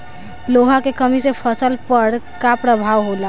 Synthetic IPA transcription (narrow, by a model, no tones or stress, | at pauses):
loɦakekəmisepʰəsəlpəɾkapɾəbʱaʋɦola